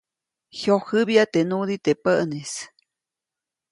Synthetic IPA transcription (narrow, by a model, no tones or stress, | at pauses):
hjohɨbjat̪enud̪it̪epəʔnes